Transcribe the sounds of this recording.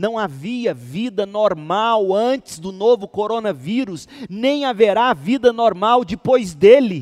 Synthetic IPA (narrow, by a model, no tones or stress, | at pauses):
nɐ̃w̃aviɐvid̪ɐnoɾmawɐ̃t͡ʃɪ̥zd̪ʊnovʊkoɾonɐviɾʊs | nẽj̃aveɾavid̪ɐnoɾmawd͡ʒɪpojzd̪elɪ